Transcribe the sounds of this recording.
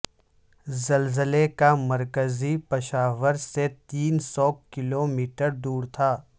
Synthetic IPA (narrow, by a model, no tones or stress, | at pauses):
zɐlzəlekamɐɾkəzipɐʃaːʋəɾset̪iːnsɔːkɪloːmiːʈəɾd̪uːɾt̪ʰaː